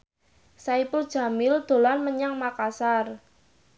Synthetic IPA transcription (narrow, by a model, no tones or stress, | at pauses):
saipʊld̥ʒ̥a̤mɪld̪̥o̤lanməɲaŋmakasar